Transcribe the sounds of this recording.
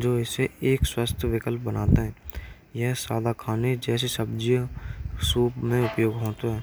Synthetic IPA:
d͡ʒoːɪseeːkswəst̪ʰjʋɪkəlp̚bənaːt̪eɦɛ̃ː | jɛɦsaːd̪akʰaːned͡ʒɛːsesəbd͡ʒijsuːpmẽʊpjoːɡɦoːt̪oɦɛː

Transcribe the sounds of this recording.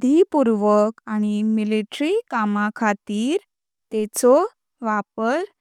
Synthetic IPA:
d̪ʱipuɾʋəkañimiliʈɾikamãkʰat̪iːɾ | t̪ɛt͡sɔ | ʋapəɾ

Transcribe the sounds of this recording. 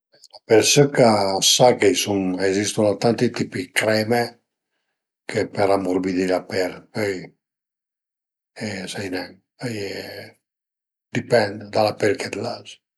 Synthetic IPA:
lapeɾsokasakejsuŋezist̪unat̪ant̪it̪ipikɾɛme | kʰepeɾamuɾbid̪ilapɛlpøj | esajnɛŋ | j | d̪ipɛnd̪d̪alapɛlked̪laz

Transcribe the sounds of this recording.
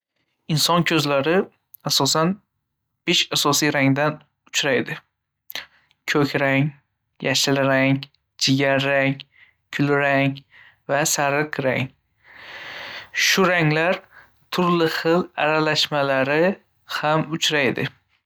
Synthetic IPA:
ɪnsɒnkʲʰɵzlaɾɪ | asɒsan | b̥eʃasɒsijɾaŋd̪an | ʊt͡ʃɾajd̪ɪ | kʲʰɵkʲɾaŋ | jaʃalɪɾaŋ | d͡ʒʰɪɡʲaɾːaŋ | kʰʊlɾaŋ | vasaɾɨqɾa̰ŋ | ʃʊɾaŋlaɾ | t̪ʰʊɾlɪχɨla̰ɾalaʃmalaɾɪ | hamʊt͡ʃʰɾajd̪ɪ̰

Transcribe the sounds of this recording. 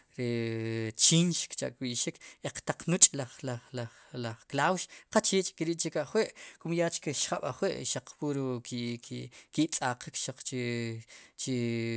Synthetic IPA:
ɾe | t͡ʃiːnʃkt͡ʃa̰ʔkʼwiʔʃikeq͡χt̪aq͡χnut͡ʃʼlaχlalaχ | laχklawʃqat͡ʃiːt͡ʃʼkeɾiːʔt͡ʃekaʔχweʔkumjat͡ʃkeʃχaɓaχweʔʃaq͡χpuɾukikkit͡sʼaqikʃaq͡χt͡ʃe | t͡ʃe

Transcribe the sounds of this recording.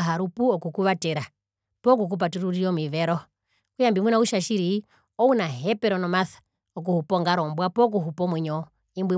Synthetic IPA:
ɦaɾupuɔkukuβatɛɾa | pɔk̬uk̬up̬atuɾuɾiɔmiβɛɾɔ | kujambimwinauʃaʃiɾi | ɔunaɦɛpɛɾɔnɔmaθḁ | ɔk̬uhupɔŋɡaɾɔmbwapɔk̬uɦupɔmwiɲɔ | imbwi

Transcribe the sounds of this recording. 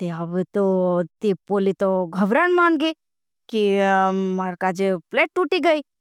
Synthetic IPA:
t̪eabet̪ot̪ipoːlit̪oɡʱəʋɾanmaːnɡi | kimaɾkad͡ʒepleːʈʈuːʈiɡəi

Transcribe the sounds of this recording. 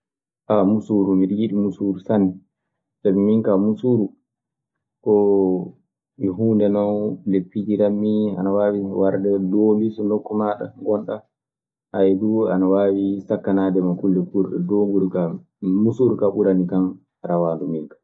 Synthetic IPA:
ʔamusuɾumiɾjiɗimusuɾusanː | sɛbɛmiŋkamusuɾu | kɔ | miɦuːndɛnɔwlepːid͡ʒiɾamːia̰nawaːwiwaɾdɛdɔmisɔnɔkːumaɗa̰ŋɡɔnɗa | ʔajɛdua̰nawaːwisakːanadɛmakulːɛkuɾɗɔ̰doŋɡuɾuka | musuɾukaɓuɾanikan | ɾawaːndumiŋkḁ

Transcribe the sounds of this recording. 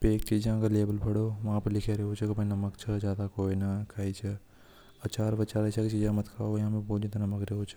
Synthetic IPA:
peːkt͡ʃiːd͡ʒãːkɐleːbəlpʰɐɽoːʋɐãːpɐlɪkʰeɾeɦot͡ʃʰɐkɐbɐnɐməkt͡ʃʰɐzjaːd̪akoːinɐkʰaːit͡ʃʰɐ | ɐt͡ʃaːɾʋɐt͡ʃaːɾɐt͡ʃʰakit͡ʃiːd͡ʒãmɐt̪kʰa̰ːojɦãːmẽboːd͡ʒit̪ɐnɐməkɾeɦot͡ʃʰə̥

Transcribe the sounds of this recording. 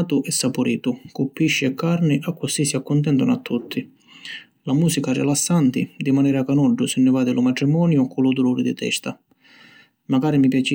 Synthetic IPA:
t̪ʊʔɛsːapʊɾḭːt̪ʊkupːiʃːɪɛkʰːaɾnɪʔakːʊsisiakːʊnt̪̬ɛnt̪ʊna̰t̪ːut̪ʰːi | lamuːsikarɪ̰lasːant̪ɪd̪imanɛːɾakanɔɖːʊsɪnːɪvaːd̪ɪlʊmat̪ɾimɔːnjʊkulʊd̪uluːɾɪd̪ḭt̪ɛ̰st̪a | maɡaːɾimipjat͡ʃi

